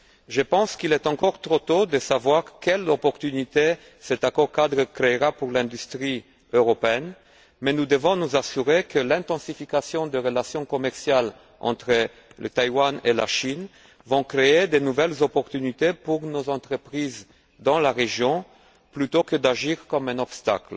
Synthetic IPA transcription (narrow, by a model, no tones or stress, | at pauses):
ʒəpɑ̃skilɛt̪ɑ̃kɔʁt̪χot̪od̪əsavwaʁkɛlɔpɔʁt̪ynit̪e | sɛt̪akɔʁkad̪ʁəkʁeʁapuʁlɛ̃d̪yst̪χi | øʁɔpeɛn | mɛnud̪əvɔ̃nuzasyʁekəlɛ̃t̪ɑ̃sifikasjɔ̃d̪əʁəlasjɔ̃kɔmɛʁsjal | ɑ̰̃t̪χə | lət̪ajwanela̰ʃin | vɔ̃kχeed̪enuvɛlzɔpɔʁt̪ynit̪epuʁnozɑ̃t̪χəpχiz | d̪ɑ̃laʁeʒjɔ̃ | plyt̪okəd̪aʒiʁkɔmɛ̃nɔpst̪a̰kl